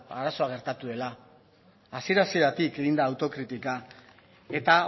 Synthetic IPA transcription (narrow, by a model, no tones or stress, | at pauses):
aɾaso̞aɣ̞e̞ɾt̪at̪uðe̞laː | sieɾasiɾat̪ike̞ɣind̪aːwt̪o̞kɾit̪ika | e̞t̪a